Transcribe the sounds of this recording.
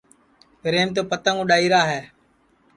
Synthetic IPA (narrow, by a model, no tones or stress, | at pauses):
pɾeːmt̪̬oːpət̪ə̃ːŋõːɗaːiːɾaːɦɛː